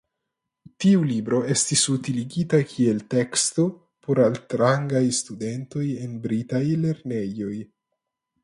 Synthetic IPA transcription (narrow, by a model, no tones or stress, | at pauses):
tiulibɾo̞e̞stisutiliɡitakʰie̞lte̞ksto̞ | pʰo̞ɾaltɾaŋɡajstude̞nto̞je̞nbɾitajle̞ɾne̞jo̞j